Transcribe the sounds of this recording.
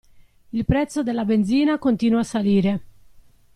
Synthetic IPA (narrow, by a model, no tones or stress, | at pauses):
ilpɾɛt̪sːod̪elːabenziːnakont̪iːnuaːsaliːɾe